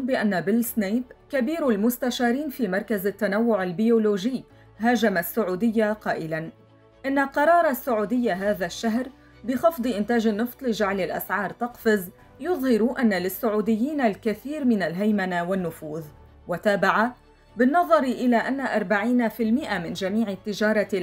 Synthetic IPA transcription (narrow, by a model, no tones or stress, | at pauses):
bɪʔanːabɪlsnajbkabiːɾalmʊst̪aʃaːɾiːnfiːmɑɾˤkazat̪ːanawːʊʕalbɪjoːloːʒɪjː | ɦaːʒamasːʊʕuːd̪ɪjːaqɑːʔɪlan | ʔɪnːalqɑɾˤɑːɾˤɑsːʊʕuːd̪ɪjːaɦaːðaʃːaɦɾ | bɪxɑfd̪ˤɨʔɪnt̪aːʒɪnːɨft̪ˤlɪd͡ʒaʕlɪlʔa̰sʕɑːɾˤt̪ɑqfɪz | jʊðˤhɪɾʔanːalɪsːʊʕuːd̪ɪjːiːnalkaθiːɾmɪnalɦajmanawanːʊfuːð | wat̪aːbaʕa | bɪnːɑðˤɑɾʔɪlaːʔanːaʔɑɾˤbaʕiːnafɪlmɪʔamɪnd͡ʒamiːʕɪt̪ːɪd͡ʒɑːɾˤɑ